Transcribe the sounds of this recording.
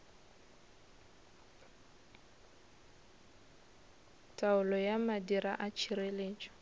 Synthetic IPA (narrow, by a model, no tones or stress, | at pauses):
tʼaʊlɔjamadiɾaʔat͡ʃʰireleːt͡ʃʼɔ̥